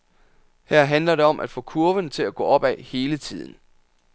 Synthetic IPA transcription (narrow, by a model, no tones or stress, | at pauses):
hæɐ̰ɦænlɐɾe̝ɒ̽mʔæd̥fɔ̽ːkʰuɐʋənt͡sʰe̝læɡ̥ɔ̰̽ːɒ̽b̥ɛhe̝ːlət͡sʰið̰ˠn̩